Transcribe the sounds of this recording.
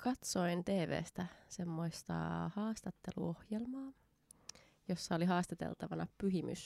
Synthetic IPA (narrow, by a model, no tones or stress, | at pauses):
kʰɑt̪so̞jnt̪e̞ːʋḛːst̪æsemːoist̪ɑ̰hɑːst̪ɑt̪ːe̞lṵo̞hjelmɑː | jo̞sːɑoliɦɑːst̪ɑt̪e̞̰lt̪ɑʋɑnɑpyɦimy̰s